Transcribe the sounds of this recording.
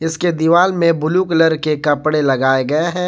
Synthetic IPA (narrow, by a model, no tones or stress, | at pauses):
ɪsked̪iʋaːlmẽbʊluːkləɾkekɐpɽelɐɡaːeɡɐeɦɛ̃ː